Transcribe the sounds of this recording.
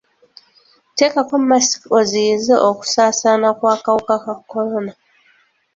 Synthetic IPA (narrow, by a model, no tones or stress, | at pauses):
tekakomasi̥koziizeʔoku̥saːsanakwaːkawokakakʰːoɾona